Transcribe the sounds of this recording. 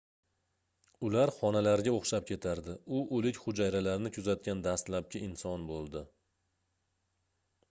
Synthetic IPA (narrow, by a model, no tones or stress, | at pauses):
ʊlaɾχɒnalaɾɡʲaoχʃap̚kʲʰe̞t̪ʰaɾd̪ɪʊʔolɪkʲχʊd͡ʒajɾalaɾnɪkʰʊzat̪̚ɡʲand̪ast̪lap̚kʲʰɪɪnsɒnbolˠd̪ɪ